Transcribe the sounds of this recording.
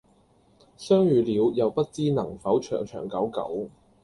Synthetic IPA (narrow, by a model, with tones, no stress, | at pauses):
sœː˥ŋjyː˨˧liː˨˧wjɐ˨wpɐ˥t̚t͡siː˥nɐ˨˩ŋfɐ˨˥wt͡ʃʰœ̰ː˨˩ŋt͡ʃʰœː˨˩ŋkɐ˨˥wkɐ̰˨˥w